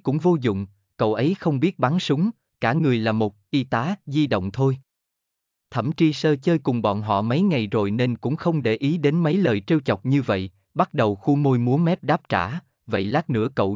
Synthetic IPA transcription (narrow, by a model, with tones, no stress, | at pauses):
kʊ̰˧˥ŋ͡mvo˧zʊ̰˧˨ŋ͡m | kə̰˧˨wʔə˨˦jxə˧wŋ͡mɓi˦˥ət̚ɓa˨˦nsʊ˨˦ŋ͡m | kaː˧˩ŋɨ˨˩əjlaː˨˩mo˨˩t̚ʔi˧t̪aː˨˦zi˧ɗə̰˧˨wŋ͡mt̪ʰo˧j | t̪ʰə˧˩mt͡ɕi˧səː˧t͡ɕəː˧jkʊ˨˩ŋ͡mɓɔ̰˧˨nɦɔ̰˧˨mə˨˦jŋa˨˩jzo˨˩jne˧nkʊ̰˧˥ŋ͡mxə˧wŋ͡mɗe˧˩ʔi˨˦ɗe˨˦nmə˨˦jləː˨˩jt͡ɕe˧wt͡ɕɔ˨˩wk͡p̚ɲɨ˧və̰˧˨j | ɓa˦˥t̚ɗə˨˩wxu˧mo˧jmu˨˦ənmɛ˦˥p̚ɗaː˦˥p̚t͡ɕa̰ː˧˩ | və̰˧˨jlaː˦˥k̚nɨ̰˧˥əkə̰˧˨w